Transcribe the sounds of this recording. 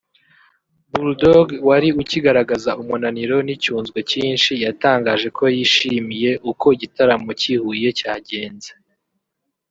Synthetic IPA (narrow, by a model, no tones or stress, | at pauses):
buldoɡwaɾiuciɡaɾaɡazaumunaniɾo̞nicuːnzɡwe̞ciːnʃijataːŋɡaːʒe̞kʰo̞jiʃimije̞ʔuko̞iɟitaɾamo̞cihuje̞caːɟe̞ːnze